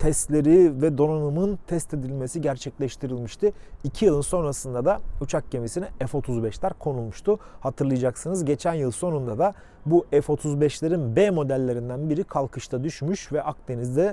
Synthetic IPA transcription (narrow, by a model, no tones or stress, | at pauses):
t̪ʰɛst̪lʲe̞ɾivɛd̪o̞nanɯmɯnt̪ʰɛst̪ʰe̞d̪ilʲme̞siɟæɾt͡ʃʰɛclʲɛʃt̪ʰiɾilʲmiʃt̪ʰɯicʰijɯlˠɯnso̞nɾasɯnd̪ad̪aut͡ʃʰak̚ɟe̞misinɛɛfo̞t̪ʰuzbɛʃlʲæɾkʰo̞nulˠmuʃt̪ʰuhat̪ʰɯɾlˠɯjad͡ʒaksɯnɯzɟe̞t͡ʃʰænjɯlˠso̞nund̪ad̪a | buʔɛfo̞t̪ʰuzbɛʃlʲeɾinbemo̞d̪ælʲːe̞ɾind̪ænbiɾikʰalˠkʰɯʃt̪ʰad̪yʃmyʃvɛʔak̚d̪e̞nizd̪ɛ